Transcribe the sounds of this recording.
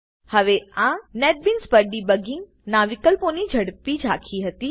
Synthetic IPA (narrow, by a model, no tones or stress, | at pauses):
həʋeãnɛʈ̚binspəɖibəɡɪ̃ŋɡ | naʋɪkəlponid͡ʒʱəɽpid͡ʒʱakʰiɦət̪i